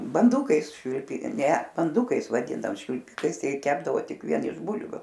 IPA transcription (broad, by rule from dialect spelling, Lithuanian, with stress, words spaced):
bɐnˈdʊkɐɪs ʃʲʋʲɪlʲˈpʲɪ ˈnʲɛ bɐnˈdʊkɐɪs ʋɐˈdʲɪndɐoːm ʃʲʋʲɪlʲˈpʲɪkɐɪs tʲɛɪ ˈkʲæːbdɐʋoː ˈtʲɪk ʋʲiɛn ɪʃ ˈbʊlʲʋʲʊ